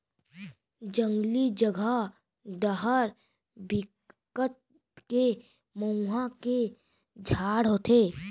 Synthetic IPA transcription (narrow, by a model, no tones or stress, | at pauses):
d͡ʒə̃ŋɡlid͡ʒəɡʱə | d̪əɦəɾ | bɪk | ət̪̚ | ke | məũɦake | d͡ʒʱaːɽɦoːt̪ʰeː